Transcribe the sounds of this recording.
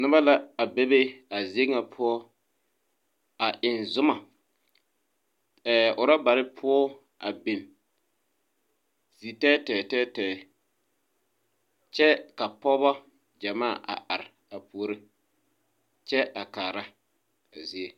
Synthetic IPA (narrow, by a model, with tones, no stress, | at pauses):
nʊ˦ba˦la˦a˨be˦be˦a˨zi˦e˦ŋa˨pʰʊ˦ɔ˦ | a˨ʔɪ˨nzʊ˦ma˨ | ɛː˨ʔʊ˨ɾa˦ba˨ɾɪ˦pʰʊ˦ɔ˦ | a˨be˨m | z̥i˨tɛ˦tɛː˨tɛː˦tɛː˨ | t͡ʃɛ˦ka˨pɔ˦ba˦ | d͡ʒa˨maː˦˨ʔa̰˨ʔa˨ɾɪ˨ | a˨pu˦o˦ɾe˦ | t͡ʃɛ˦a˨kaː˨ɾa˦ | a˨zi˦e˦